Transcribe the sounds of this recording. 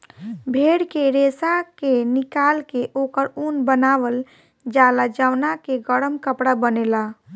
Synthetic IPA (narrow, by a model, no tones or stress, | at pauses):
bʱeɽkeɾesakenikalkeʔokəɾunbənaʋəl | d͡ʒalad͡ʒawnakeɡəɽəmkəpɽabənela